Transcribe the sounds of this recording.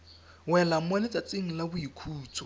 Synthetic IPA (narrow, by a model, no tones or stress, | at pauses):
wɛlamwanɪt͡sʼat͡sʼɪŋ̩labʊikʰuːt͡sʰɔ̥